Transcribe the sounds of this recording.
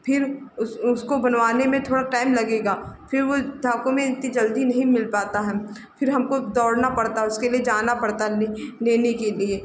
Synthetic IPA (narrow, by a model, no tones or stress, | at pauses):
pʰɪɾʊʊskobɐnʋaːnemẽt̪ʰoːɽaʈaːɪmlɐɡeːɡaːfʰɪɾʋod̪ʱaːkõmẽt̪nid͡ʒɐld̪inɐɦĩmɪlpaːt̪aɦɛː | pʰɪɾɦɐmkod̪ɔːɽnapɐɽt̪aɦɛʊskelied͡ʒaːnapɐɽt̪aneːnekelieː